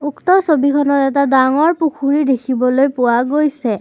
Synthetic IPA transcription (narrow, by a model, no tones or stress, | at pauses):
uktɔsobikʰɔnɔtɛtadaŋɔɹpukʰuɹidekʰibɔlojpʊwaɡojsɛ